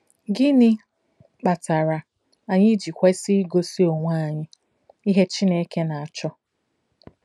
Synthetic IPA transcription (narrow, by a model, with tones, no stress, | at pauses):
ɡɪ˦nɪ˦ | k͡pa˨ta˨ɾa˨ | a˨ɲɪ˦d͡ʒi˨kʷe˦si˦ɡo˦si˦o˨ŋʷaː˦˨ɲɪ˦ | i˦ɦe˦t͡ʃi˦ne˦ke˦na˨a˨t͡ʃɔ˦